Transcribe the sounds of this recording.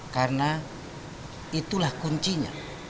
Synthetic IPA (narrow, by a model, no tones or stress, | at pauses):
karna | it̪ulahkuɲt͡ʃiɲa̰